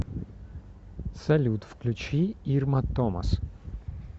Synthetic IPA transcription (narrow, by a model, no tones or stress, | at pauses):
sɐlʲut̪fklʲʉt͡ɕiirmɐt̪ɔmɐ̰s